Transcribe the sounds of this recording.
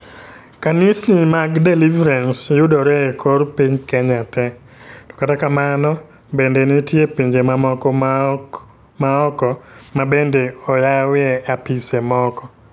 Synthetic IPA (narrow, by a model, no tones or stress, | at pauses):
kanisnimaɡdɛlivɾansjʊdɔɾɛkʰoɾpiɲkɛɲatɛ | tɔ̥katakamanɔ | bendenitjepiɲd͡ʒemamɔkɔ | maɔkɔmabendeɔjawɪɛapisemɔkɔ